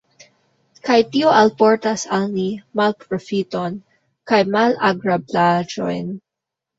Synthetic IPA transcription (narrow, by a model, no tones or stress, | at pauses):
kajt̪ioʔalpɔɹt̪asalnimalpɾofit̪on | kajmalaɡɹablad͡ʒo̰jn